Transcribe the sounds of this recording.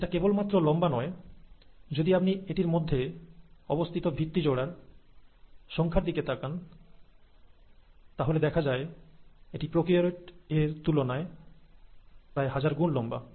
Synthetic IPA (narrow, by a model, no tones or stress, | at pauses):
eʈakebolmat̪ːɾolɔmbanɔe | d͡ʑod̪iap̚nieʈiɾmod̪ʱːeɔbost̪ʰit̪obʱit̪ːid͡ʑoɽaɾ | ʃɔŋkʰaɾd̪iket̪ʰakan | t̪aɦoled̪ɛkʰad͡ʑaeeʈipɾokɾioɾeʈeɾt̪ulonae | pɾaeɦad͡ʑaɾɡunlɔmba̰